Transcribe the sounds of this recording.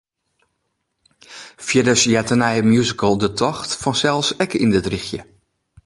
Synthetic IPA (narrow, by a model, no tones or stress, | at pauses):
fjɪdəsjɛtənɛjəmjuzikəlˠdətʰɔxtfɔnsɛlˠsɛkindətrixjə